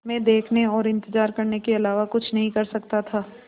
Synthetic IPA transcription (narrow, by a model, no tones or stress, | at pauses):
mẽd̪eːkʰneɔːɾɪ̃nt̪əzaːɾkɐɾnekeɐlaːʋakʊt͡ʃʰnɐɦĩkɐɾsɐkt̪at̪ʰaː